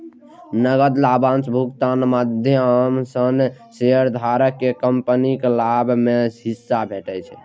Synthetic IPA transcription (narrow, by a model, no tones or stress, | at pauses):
nəɡəd̪labãnt͡ʃbʱukt̪anmad̪ʱjəamsənseəɾd̪ʱaɾəkːekəmpnikelabmehisːabʱeʈɛt͡ʃʰɛ